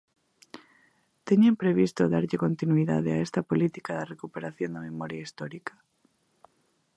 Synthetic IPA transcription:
t̪eɲempɾeβist̪oðaɾʎɪkont̪inwiða̰ðeaɛst̪ɐpolit̪i̥kaðɐrekupeɾaθjond̪ɐmemɔɾjaist̪ɔɾikɐ̥

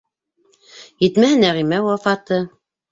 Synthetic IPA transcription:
jɘ̆t̪mæhɘnæʁimæwɑfɑt̪ɤ

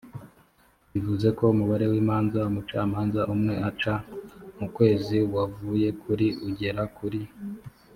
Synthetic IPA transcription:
βivuze̞ko̞umuβaɾe̞wiːmaːnzaumut͡ʃa̰ːmaːnzaʔumŋe̞at͡ʃamukwe̞ːziwavuje̞kʰuɾiuɟe̞ɾakuɾi

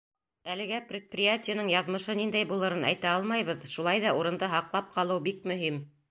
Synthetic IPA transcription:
ælɘ̆ɡæprʲɪt̪̚prʲɪjatʲɪjənɤɴjɑðmɤ̆ʃɤnind̪æjbulˠɤ̆ɾɤnæ̰jt̪æɑlˠmɑjβɤðʃulˠɑjðɑuɾɤ̆nd̪ɤɦɑqlˠɑp̚qɑlˠɤwbik̚mɵ̆ɦim

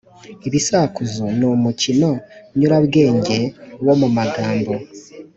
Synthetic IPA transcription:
eβisaːkuzonomucino̞ɲuɾaβɡe̞ːɲɟe̞womumaɡaːmbo

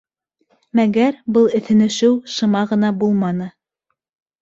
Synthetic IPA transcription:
mæɡæɾbɤlˠɘ̆θɘ̆nɘ̆ʃɘwʃɤ̆mɑʁɤ̆nɑbulˠmɑnɤ

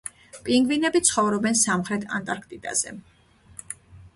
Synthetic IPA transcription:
pʼiŋɡvinɛbit̪sʰχɔvɾɔbɛnsamχɾɛt̪ʰa̰nt̪ʼaɾkʰt̪ʼid̪ʼa̰z̥ɛ̰

